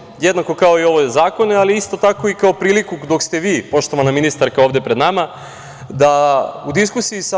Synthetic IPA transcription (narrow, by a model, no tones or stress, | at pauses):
jɛd̪nako̞kaoio̞ʋozaːko̞nealiist̪o̞t̪ako̞ikaopɾiːlikud̪o̞kst̪eʋiːpo̞ʃt̪o̞ʋanaminist̪aɾkaoʋd̪epɾe̞d̪nama | d̪aud̪iskusiːsa